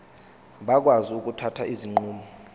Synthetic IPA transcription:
ɓak̬waziuk̬ʼutʰatʰaʔiziŋ͡ǃuːmɔ

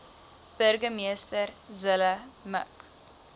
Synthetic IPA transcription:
b̥ərɡəmiəstərzələmə̰k

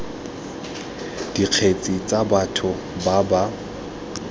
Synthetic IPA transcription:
d̥iq͡χʰet͡sʼit͡sʼabatʰʊ | baba

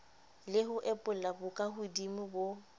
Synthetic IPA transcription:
lɪɦʊʔɛpʼʊl̩labʊkʼaɦʊdimʊbo

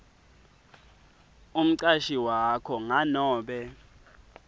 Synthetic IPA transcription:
um̩ǀaʃiwakʰɔŋanɔːɓɛ

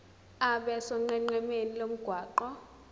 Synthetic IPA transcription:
aɓɛsɔŋ͡ǃɛŋ͡ǃɛmenilom̩ɡ̥ʱwaːǃɔ

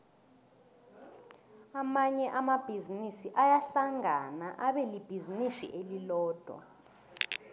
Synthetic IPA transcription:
amaɲɛʔamab̥ʱizinisiʔajaɬaŋanaʔaɓɛlib̥ʱizinisḭʔelilɔːd̥ʱwa̰

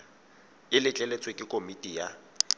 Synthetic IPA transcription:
ɪlɪt͡ɬʼɛlet͡sʼwekʼɪkʼomitʼija

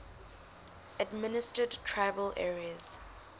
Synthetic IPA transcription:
ədmɪnɪstədtʰɹaɪvəlʔɛɹiəz̥

